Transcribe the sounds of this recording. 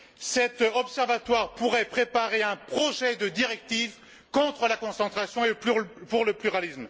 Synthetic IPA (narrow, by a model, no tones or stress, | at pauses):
sɛt̪ɔpsɛʁvat̪waʁpuʁɛpχepaʁeɛ̃pχɔʒɛd̪əd̪iʁɛk̚t̪iv | kɔ̃t̪χəlakɔ̃sɑ̃t̪χasjɔ̃eləpypuʁləplyʁalism